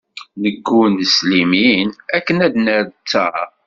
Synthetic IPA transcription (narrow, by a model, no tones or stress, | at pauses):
nəɡːunəsliminækːənæd̪nəɾt͡sːæ